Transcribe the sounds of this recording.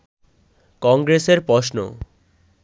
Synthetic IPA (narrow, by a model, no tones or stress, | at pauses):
kɔŋɡɾeseɾpɾoʃno̰